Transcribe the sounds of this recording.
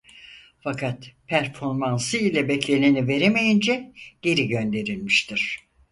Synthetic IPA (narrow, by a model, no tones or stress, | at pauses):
fakʰat̪pʰæɾfo̞ɾmansɯilʲɛbɛclʲe̞nʲinive̞ɾemejind͡ʒɛɟ̥e̞ɾiɟønd̪e̞ɾilʲmiʃt̪ʰiɾ̥